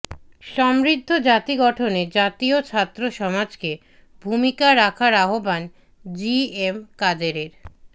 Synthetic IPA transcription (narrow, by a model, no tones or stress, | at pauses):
ʃɔmɾid̪ʱːod͡ʑat̪iɡɔʈʰoned͡ʑat̪iot͡ɕʰat̪ːɾoʃɔmad͡ʑke | bʱumikaɾakʰaɾaɦoban | d͡ʑiemkadeɾeɾ